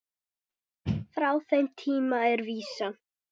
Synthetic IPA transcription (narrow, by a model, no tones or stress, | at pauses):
fɾawθejmt̪ʰiːmaɛɾviːsa